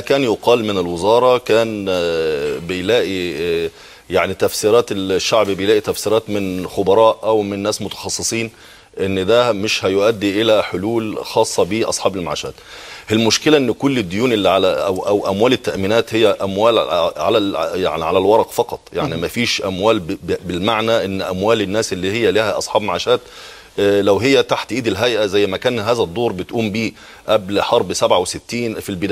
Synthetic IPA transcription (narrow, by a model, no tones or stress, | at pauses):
ækæːnjʊqɑːlmɪnɪlwɪzɑːɾˤɑkæːn | bɪjlæːʔi | jaʕnit̪æfsiːɾɑːt̪elʃːaʕbibejlæːʔit̪æfsiːɾɑːt̪mɪnxobɑɾˤɑːʔʔæwmɪnːæːsmʊt̪ɑ̥xɑsˤːɨsˤiːn | ʔɪnːd̪æmɪʃhæjʊʔæd̪ːiʔɪlæħoluːlxɑːsˤːɑbiʔɑ̰sˤħɑːbelmaʕa̰ːʃæ̰ːt̪ʔɪlmʊʃkɪlæʔɪnːkʊlːɪd̪ːʊjuːnʔelːiʕalææwʔæwʔæmwæːlɪt̪ːæʔmiːnæːt̪hejːæʔæmwæːlʕa̰læja̰ʕniʕalælwɑɾˤɑʔfɑqɑt̪ˤja̰ʕnimæfiːʃʔæmwæːlbɪlmaʕnæʔɪnːʔæ̰mwæːlɪnːæːsʔɪlːiːhɪjːælihæʔɑsˤħɑːbmaʕaːʃæːt̪ | læwɦɪjːæt̪aħt̪ʔiːd̪ɪlɦæjʔæzæjːmækæːnhæːzæd̪ˤːoːɾˤbɪt̪ʔuːmbiː | ʔæblħɑɾˤbsæbʕawsɪt̪ːiːnfilbɪd̪æ